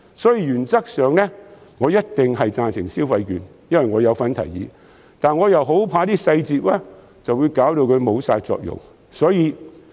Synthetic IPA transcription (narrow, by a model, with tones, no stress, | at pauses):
sɔː˨˥jiː˧jyː˨˩nt͡sɐ˥k̚sœː˨ŋnɛ˥ŋɔː˨˧jɐ˥t̚t̪ɪ˨ŋɦɐ˨jt͡saː˨˧nsɪ˨˩ŋsi˥wfɐ˧jkyː˨njɐ˥nwɐ˨jŋɔː˨˧jɐ˨˧wfɐ˨˧nt̪ʰɐ̰˨˩jjḭː˨˧ | t̪aː˨nŋɔː˨˧jɐ˨˩wɦo˨˥wpʰaː˧˥t̪iː˥sɐ˧jt͡siː˨p̚lɛː˥ | t͡sɐ˨wuː˨˧jkaː˨˥wt̪o˧wkʰɵ˨˧ɥmo˨˧wsaː˧jt͡sɔ̰ː˧k̚jʊ̰˨˩ŋ | sɔː˨˥jiː˨˧